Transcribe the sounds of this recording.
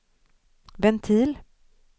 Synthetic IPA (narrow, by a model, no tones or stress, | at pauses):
vɛnt̪ʰiːl